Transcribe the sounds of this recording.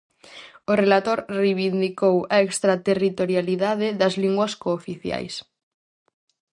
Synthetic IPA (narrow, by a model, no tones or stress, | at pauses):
orelat̪oɾrejβind̪ikowaekst̪ɾat̪erit̪oɾjaliðaðeðɐzliŋɡwɐskoːfiθja̰js